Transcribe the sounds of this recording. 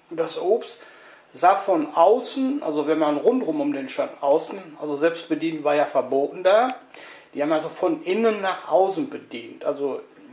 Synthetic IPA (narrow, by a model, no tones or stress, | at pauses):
ʊnd̥asʔoːpst | z̥aːfɔnʔaʊsn̩ʔa̰lzovɛnmanʁʊntʁʊmʊmdeːnʃantʔaʊsn̩ʔalzozɛlpst̚b̥ədiːntv̥aːɐjaːfɛɐboːtn̩daːd̥iːhaːmalzofɔnʔɪnənːaːχʔaʊsn̩bədiːntʔalzo